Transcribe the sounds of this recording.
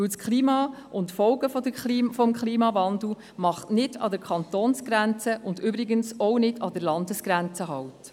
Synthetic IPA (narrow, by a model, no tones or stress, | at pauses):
ɪwskχliːmɑːʊntfɔʊɡəfɔdəifɔmkχliːmɑvɑnd̪l̩ | mɑχtnɪdɑ̰dəɾkʰɑnt̪oːnsɡ̥ɾænt͡səʔʊndʏbɾɪɡənsɔwnɪdɑd̥əɾlɑndəsɡ̥ɾænt͡səɦɑwt